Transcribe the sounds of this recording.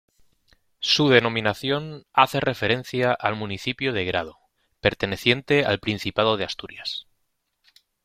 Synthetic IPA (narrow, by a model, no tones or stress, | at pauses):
suð̞e̞nõ̞mĩnaθjo̞naθe̞re̞fe̞ɾe̞n̟θjaʔalmũniθipjoð̞eɣɾað̞o | pe̞ɾt̪e̞ne̞θje̞nt̪e̞a̰lpɾin̟θipað̞o̞ð̞east̪uɾjas